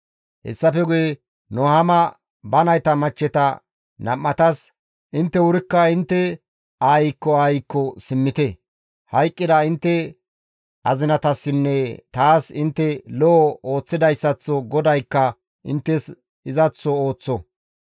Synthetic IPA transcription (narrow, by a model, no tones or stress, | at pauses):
hɛ̰sːɐfɛɡʊje | nɔhɐmɐ | bɐnɐjt̪ɐmɐt͡ʃːɛt̪ɐ | nɐmːɐt̪ɐs | ʔɪnt̪ːɛwʊɾɪkːɐɪnt̪ːɛ | aːjɪkːɔaːjɪkːɔsɪmːɪt̪ɛ | hɐjkʼːɪd̪ɐɪnt̪ːɛ | ɐzɪnɐt̪ɐsːɪnːɛt̪aːsɪnt̪ːɛlɔːoːt͡sːɪd̪ɐjsːɐt͡sːɔɡɔd̪ɐjkːɐ | ʔɪ̰nt̪ːɛs | ɪzɐt͡sːɔoːt͡sːɔ